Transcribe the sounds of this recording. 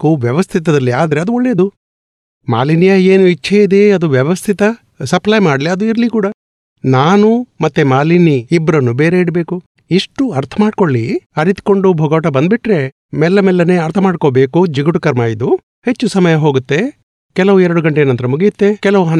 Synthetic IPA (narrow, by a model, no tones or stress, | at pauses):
kuʋjɐʋɐst̪ʰit̪ɐd̪ɐlːiaːd̪ɐɾe̞ɐd̪uɔɭːe̞ːd̪u | ma̰ːlinijaeːnuit͡ʃːʰejid̪eɐd̪uʋjɐʋɐst̪ʰit̪ɐ | sɐplɐjmaːɽliɐd̪uiɾlikuːɽɐ | naːnumɐt̪ːemaːliniːbːɐɾɐnːubeːɾeiɽbe̞ːku | iʂʈuɐɾt̪ʰɐmaːɖ̚ko̞ɭːiɐɾit̪ko̞ɳɖubʱɔːɡaːʈɐbɐnd̪̚biʈɾe̞ | mɛlːɐmɛlːɐne̞ːɐɾt̪ʰɐmaːɖkobe̞ːkud͡ʒiɡuʈukɐɾmaːjid̪u | he̞t͡ʃːusɐmɐjɐɦoːɡut̪ːe̞ | kɛlɐʋuɛɾɐɽuɡɐɳʈeːnɐnt̪ɐɾɐmuɡijut̪ːe̞kɛlɐʋuɦɐn